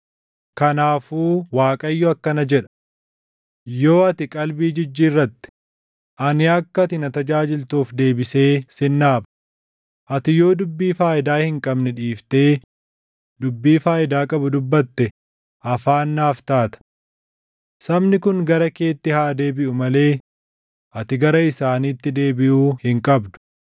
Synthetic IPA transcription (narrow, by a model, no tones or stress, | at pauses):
kɐnaːfuːwaːkʼɐjːɔɐkːɐnɐd͡ʒɛᶑɐ̥ | jo̞ːɐt̪ɪkʼɐlbiːd͡ʒɪd͡ʒːiːrːɐt̪ːɪ̥ | ʔɐnɪɐkːɐt̪ɪnɐt̪ɐd͡ʒaːd͡ʒɪlt̪uːfd̪e̞ːbɪse̞ːsɪnːaːbɐ̥ | ʔɐt̪ɪjo̞ːd̪ʊbːiːfaːʔɪd̪aːhɪŋkʼɐbnɛᶑiːft̪e̞ː | d̪ʊbːiːfaːʔɪd̪aːkʼɐbʊd̪ʊbːɐt̪ːɛ | ʔɐfaːnːaːft̪aːt̪ɐ̥ | sɐmnɪkʊŋɡɐɾɐke̞ːt̪ːɪhaːd̪e̞ːbɪʔʊmɐle̞ː | ʔɐt̪ɪɡɐɾɐɪsaːniːt̪ːɪd̪e̞ːbɪʔuːhɪŋkʼɐbd̪ʊ̥